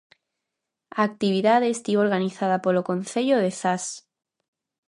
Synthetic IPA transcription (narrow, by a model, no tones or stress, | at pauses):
ak̚t̪iβ̞iðaðest̪ioɾɣaniθaðapoloko̞nθe̞ʎoð̞e̞θas